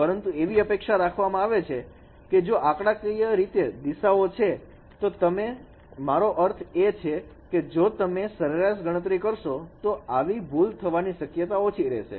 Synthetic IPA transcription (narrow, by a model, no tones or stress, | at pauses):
pəɾənt̪ueʋiəpekʃaɾakʰʋamãaʋet͡ʃʰe | ked͡ʒoʔakɽakijəɾit̪ed̪iʃaot͡ʃʰe | t̪ot̪əme | maɾoʔəɾt̪ʰet͡ʃʰe | ked͡ʒot̪əmesəɾeɾaʃɡəɽ̃ət̪̬ɾikəɾʃot̪oaʋibʱult̪ʰəʋaniʃəkjət̪aot͡ʃʰiɾɛ̰ʃḛ